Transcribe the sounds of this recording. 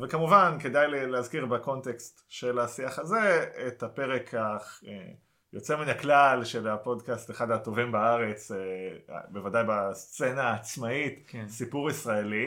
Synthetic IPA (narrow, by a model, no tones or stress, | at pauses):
vekamuvanke̞dajlleazkiʁbako̞ntekstʃelasiaχaze̞et̪ape̞ʁekʰaχe | jo̞t͡seminaklalʃe̞lapo̞dkast̪eχadato̞vimbaaʁe̞t͡sḛbevadajbast͡se̞naːt͡smaitsipuʁisʁaeli